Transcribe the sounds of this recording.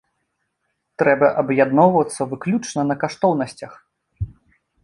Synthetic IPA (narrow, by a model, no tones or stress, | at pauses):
t̪ɾɛbɐʔɐbjad̪nɔwvɐt̪sːɐvɨklʲut͡ʂnɐnɐkaʂt̪ɔwnɐsʲt͡sʲɐx